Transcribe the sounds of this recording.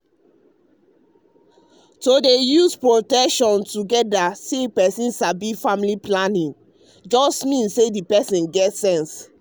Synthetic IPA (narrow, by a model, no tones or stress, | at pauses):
sodejuspɹotɛkʃɔ̃ntuɡɛdasepɛsĩnsabifamiliplanĩn | d͡ʒɔstmĩnsːedipɛsĩnɡɛtsɛ̃ns